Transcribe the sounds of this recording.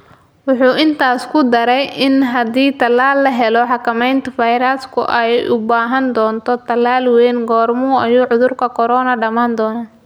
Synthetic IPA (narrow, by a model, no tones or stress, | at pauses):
wʊħuːʔɪnt̪ʰaːskʰʊd̪ɐɾɛjʔɪnɦɐd̪iːt̪ʰɐlaːlːɐɦɛlɔħɑkʰɐmɛjnt̪ʰɐfɐjɾɐskʰʊ̰ʔɛjʔʊbaːɦɐnd̪ɔːnt̪ʰɔt̪ʰɐlːaːlwɛːnɡɔːrmuːɐjuːʕʊðʊrkʰɐkʰɔɾɔːnɐɖɐmaːnd̪ɔːnaː